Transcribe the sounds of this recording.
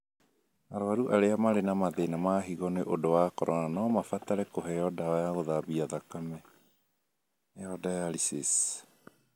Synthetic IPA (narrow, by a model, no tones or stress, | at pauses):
aɾɔaɾuʔaɾeamaɾenamaðenamaɦiɣɔneʔodowakɔɾɔnanɔmafat̪aɾɛkoɦɛjɔdaajaɣoðaβiaðakamɛ | ɛɔdajalisis